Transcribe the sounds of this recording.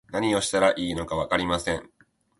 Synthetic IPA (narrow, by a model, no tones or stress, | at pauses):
naɲ̟io̞ɕi̥t̪aɾaʔiːno̞kaβ̞akaɾʲimasẽ̞ŋ